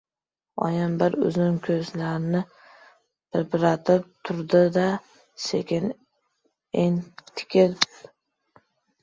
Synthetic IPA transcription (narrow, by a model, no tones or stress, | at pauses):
ɒ̰jambɪɾʊ̰zɪŋkʲʰɵzlaɾnɪ | b̥ɪɾpɾat̪ʰɪp̚t̪ʰʊɾd̪ɪd̪a | sekʲɪn | eŋt̪ʰɪ̥kʲʰɪɾ